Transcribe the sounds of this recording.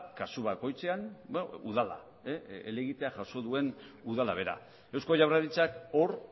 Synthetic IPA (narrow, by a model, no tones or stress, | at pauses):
kasuβako̞jt͡se̞anuðala̰ | eele̞ɣit̪eaʝaso̞ðue̞nuðalaβ̞e̞ɾa̰ | e̞wsko̞ʝaβraðit͡sako̞ɾ